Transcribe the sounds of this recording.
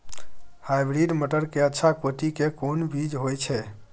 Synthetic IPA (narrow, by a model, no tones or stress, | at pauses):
hajbɾiɖməʈəɾkeətːʃʰakoʈikekonbid͡ʒɦojt͡ʃʰɛ